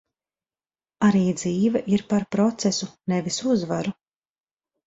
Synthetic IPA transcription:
aɾiːd̪ziːvɛʔiɾpaɾpɾɔt̪sɛsunɛvisuzvaɾu

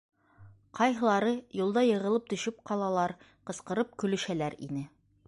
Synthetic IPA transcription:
qɑjɦɤ̆lˠɑɾɤjulˠd̪ɑjɤ̆ʁɤ̆lˠɤp̚t̪ɵ̆ʃɵp̚qʰɑlˠɑlˠɑɾ | qɤ̆sqɤ̆ɾɤp̚kɵ̆lɵ̆ʃælæɾḭnɘ

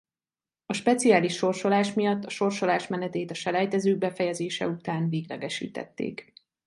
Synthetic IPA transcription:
ɒʃpɛt̪sijaːliʃːo̞rʃo̞laːʃmijɒt̪ːɒʃo̞rʃo̞laːʃmɛnɛt̪eːt̪ɒʃɛlɛjt̪ɛzøːɡ̚bɛfɛjɛzeːʃɛ̰ut̪aːnveːɡlɛ̰ɡɛʃḭːt̪ɛ̰t̪ːḛːk

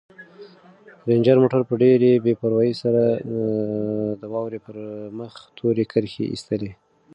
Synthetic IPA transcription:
ɾend͡ʒəɾmoʈaɾpəɖeɾebepaɾwɑjəsaɾa | d̪əwɑwɾepəɾməxt̪ʰoɾekʰəɾxḛʔḭst̪əle

